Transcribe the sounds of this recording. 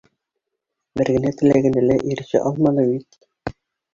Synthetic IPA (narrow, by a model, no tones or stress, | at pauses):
bɘ̆ɾɡɘ̆næt̪ɘ̆læɡɘ̆nælæʔiɾ̆ɕɘ̰ʔɑlˠmɑnɤbit̪̚